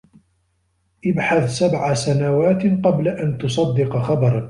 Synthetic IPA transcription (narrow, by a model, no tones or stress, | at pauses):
ʔɪbħaθsabʕasanawaːt̪qɑblaʔant̪ʊsˤɑd̪ːɪqxɑbɑɾˤ